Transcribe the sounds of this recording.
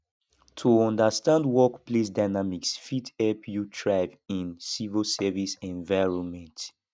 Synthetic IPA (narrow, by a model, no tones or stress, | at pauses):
tʰuɔ̃ndəstãndwɔkplesdaɪnamiksfitɛpʰjutʰɹaɪvĩnsivisɛvisɛ̃nvajɹɔ̃nmɛ̃nt